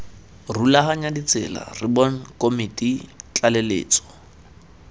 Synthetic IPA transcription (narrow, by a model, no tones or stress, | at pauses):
rulaɦaɲadit͡sʼɪ̰la̰rɪbɔn̩kʼomitʼit͡ɬʼalelḛːt͡sʼɔ̥